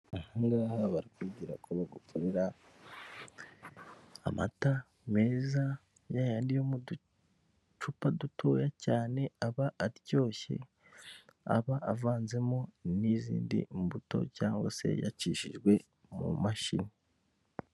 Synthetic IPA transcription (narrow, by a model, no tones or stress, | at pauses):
ahaːŋɡaahaβaɾikuɟiɾa̰kuβaɡukʰoɾe̞ɾa | ma̰ta | me̞ːza | jajandijo̞mudu | t͡ʃupadutʰo̞ːjacaːne̞aβaʔaɾɟo̞ːçḛ | a̰βaʔavaːnze̞monizḭːndḭmbuto̞̰caːŋɡwase̞̰ja̰t͡ʃiʃiʒɡwe̞ | mṵmaʃḭni